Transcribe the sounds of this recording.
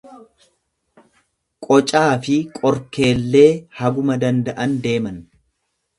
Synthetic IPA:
kʼɔt͡ʃʼaːfɪkʼɔɾke̞ːlːe̞ːhɐɡʊmɐd̪ɐnd̪ɐʔɐnd̪e̞ːmɐn

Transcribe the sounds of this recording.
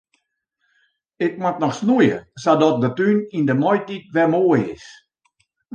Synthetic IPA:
ɪk̚matnɔxsnujə̰sadɔt̚dətynindəmɔjtit̚ʋɛmoəjɪ̰s

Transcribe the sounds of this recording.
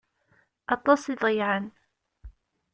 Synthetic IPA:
ɑt̪ˤːɑsˤiðˤjʕən

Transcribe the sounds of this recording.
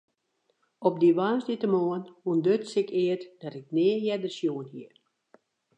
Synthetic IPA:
ɔp̚diʋaːnsditəmoənundøtsɪkɪətd̥ɔtɪk̚nɪəjɛdəsjuːənhiə

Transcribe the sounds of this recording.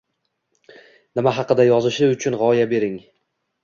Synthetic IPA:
nɪmaɦɑqɨd̪ajɒzɪʃɪʊt͡ʃʰʊnʁɒjabe̞ɾɪŋ

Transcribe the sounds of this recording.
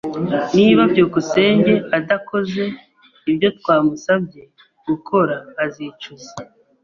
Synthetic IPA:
niːβabjoːkuse̞ːɲɟe̞adako̞ze̞ | ibjo̞t̚waːmusab̚ɟ̞e | ɡ̥ukʰo̞ɾaːzit͡ʃuze̥

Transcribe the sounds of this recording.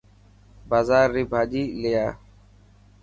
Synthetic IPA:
baːzaːɾːiːbʱaːʄiːlejaː

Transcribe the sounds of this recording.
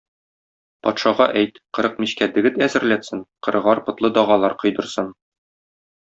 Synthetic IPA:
pɒt̪ʃɑʁɑʔæjt̪qɤ̆ɾɤq̚miɕkæd̪ɘ̆ɡɘt̪æzɘ̆ɾlæt̪sɘnqɤ̆ɾɤ̆ʁɑɾpɤ̆t̪lˠɤd̪ɒʁɑlˠɑɾqɤ̆jd̪ɤ̆ɾsɤn

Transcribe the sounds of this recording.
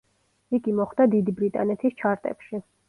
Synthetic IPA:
iɡimɔχd̪ad̪id̪ibɾit̪ʼa̰nɛt̪ʰist͡ʃʰaɾt̪ʼɛ̰pʃi

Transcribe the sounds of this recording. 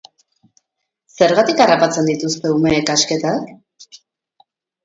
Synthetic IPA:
se̞ɾɣat̪ikarapat͡se̞nd̪it̪ust̪e̞ume̞ːkaske̞t̪ak

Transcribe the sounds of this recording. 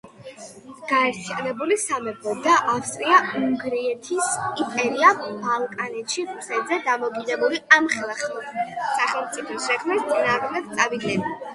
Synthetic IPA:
ɡ̥aɛɾt̪ʰijanɛbulisamɛbɔd̪aʔafst̪ʼɾiauŋɡɾiɛt̪ʰisipʼɛɾiabalˠkʼanɛt̪ʃiɾusɛd̪zɛd̪amɔkʼid̪ɛbuliamχɛlˠaχmɛsaχɛlˠmt̪sʼipʰɔsʃɛkʰmɛt̪t̪sʼinaːʁmɛd̪̚t̪sʼavid̪lɛba

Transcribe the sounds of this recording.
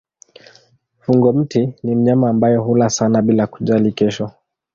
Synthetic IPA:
fuŋɡɔm̩tinim̩ɲamaːmbajɔɦulasanaɓilaku̥ʄalikɛʃɔ

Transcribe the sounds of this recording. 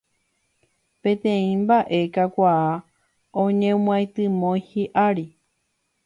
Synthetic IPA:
pẽ̞t̪ẽ̞ĩmbaʔe̞kakʷaa | õɲẽm̃ãjt̪ɨmõjhiʔaɾi

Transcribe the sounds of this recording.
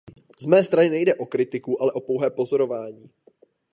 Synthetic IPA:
zmɛːst̪ɾanɪnɛjdɛʔo̞kɾɪt̪ɪkuʔalɛʔo̞po̞wɦɛːpo̞zo̞ɾo̞vaːɲiː

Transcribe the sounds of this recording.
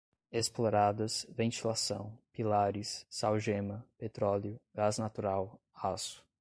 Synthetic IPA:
esploɾad̪ɐsvẽnt͡ʃilasɐ̃w̃pilaɾɪsːawʒẽmɐpet̪ɾɔljʊɡaznat̪uɾaw | asʊ̥

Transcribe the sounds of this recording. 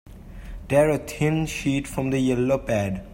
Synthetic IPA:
d̪ɛɹət̪ʰɪ̃nʃiːʈfɹɔ̃md̪əjɛlopæɖ

